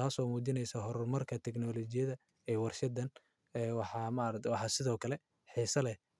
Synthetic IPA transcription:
aːsɔːmuːd͡ʒɪnɛjsɐɦɔɾɔrmɐrkʰɐt̪ʰɛɡnɔːlɔt͡ʃɪjɐðɐ | ɛːwɑrʃɐd̪ɐn | ɛwɑħɑmɐɐɾɐwɑħɑsɪðɔːkʰɐlɛ | ħiːsɐlɛ

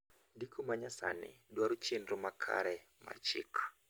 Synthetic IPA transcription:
dikʰumaɲasa̰nḭɗwaɾut͡ʃindumakʰa̰ɾɛma̰t͡ʃḭk

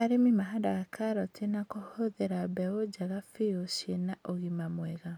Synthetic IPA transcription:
aɾemimaɦadaɣakʰaɾɔtʰenakohoðeɾabɛod͡ʒaɣafeosjenaʔoɣimamwɛɣa

